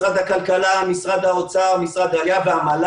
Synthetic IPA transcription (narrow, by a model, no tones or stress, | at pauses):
ʁad̪hakalkalamisʁad̪haot͡saʁmisʁad̪aljaveamal